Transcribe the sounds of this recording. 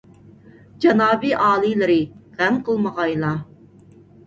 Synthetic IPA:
d͡ʒɑnɑːbiʔɑːlˠilɨɾɪʁænqʰəlˠməʁɑjlˠɑ

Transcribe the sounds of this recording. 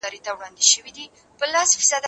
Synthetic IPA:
aɾit̪ʰavɾand̪iʃivid̪i | b̥lasfisad̪

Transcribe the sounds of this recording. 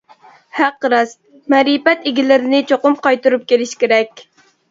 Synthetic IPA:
hæqːɾɑs | mɛɾipɛt̪eɡʲilɪɾɪnɪt͡ʃʰoqʊmqɑjt̪uɾup̚kʲelɪʃkʲeɾɛkʲ

